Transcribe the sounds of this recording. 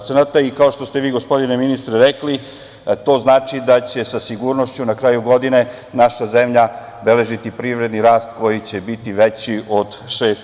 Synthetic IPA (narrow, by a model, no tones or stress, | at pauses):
enat̪aikao̞ʃt̪o̞st̪e̞ʋiːɡo̞spo̞d̪ineminist̪ɾeɾekli | t̪o̞ːznaːt͡ʃid̪at͡ɕe̞sasiɡuɾnoʃt͡ɕunakɾaːjuɡo̞d̪ine̞ | naʃazemʎa | bele̞ʒit̪ipɾiʋɾe̞d̪niɾaːst̪ko̞jit͡ɕe̞bit̪iʋet͡ɕiʔo̞d̪ʃeːs